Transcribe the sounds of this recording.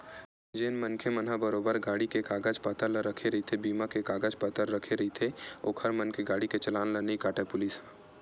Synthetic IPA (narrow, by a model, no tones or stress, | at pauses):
d͡ʒeːnmənkʰemənɦabəɾoːbəɾɡaːɽikekaːɡəd͡ʒpaːt̪əɾləɾəkʰeɾɐɦit̪ʰebiːmakekaːɡəd͡ʒpət̪əɾːəkʰeɾɐit̪ʰeoːkʰhəɾmənkeɡaːɽiket͡ʃɐlaːnlənikaːʈʰepʊlisɦɛ̃ː